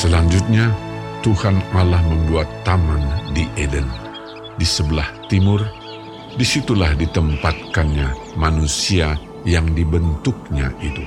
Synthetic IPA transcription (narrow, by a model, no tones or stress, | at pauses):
səlaɲd͡ʒʊt̪̚ɲat̪uhanalahməmbuat̪ːamandiʔedən | disəbəlaht̪imʊr | disit̪ulahdit̪əmpat̪̚kanɲa | manusia | jaŋdibənt̪ʊk̚ɲa̰ʔit̪ṵ